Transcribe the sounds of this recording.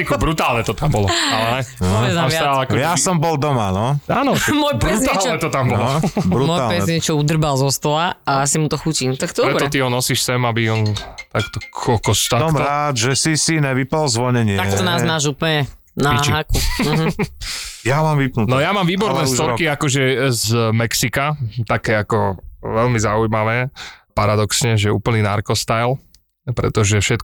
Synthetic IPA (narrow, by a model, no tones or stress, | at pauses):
ikbɾut̪aːlɲɛt̪ɔt̪ambɔlɔalɛɦɛɔɛzaaaaakɔjasɔmbɔlˠd̪ɔmanɔaːnɔmmɔjbɾut̪alt͡ʃɔɛt̪ɔt̪ambɔlɔbɾutmɔj̪alpɛɛɲɪɛt͡ʃɔud̪r̩balzɔst̪ɔlaaasimut̪ɔxucint̪akt̪d̪ɾɛbɾɔɛt̪iɦɔnɔsiːʃsɛmabiɔnt̪akt̪ɔkʰɔkɔst̪asɔmɾaːd̪ʒɛsisinɛʋipalzʋɔɲɛɲɪt̪ak̪ɔnaːznaːʒuːplɲɛ | naɦaku | jamaːmʋipnunɔjamaːmʋiːbɔɾnɛːst̪ɔɾkiakɔʒɛzmɛksikat̪akɛːakɔʋɛlmizaujmaʋɛːpaɾad̪ɔksɲɛʒɛṵːpl̩ninaɾkɔst̪ajl | pɾɛ̰t̪ɔʒɛfʃɛt̪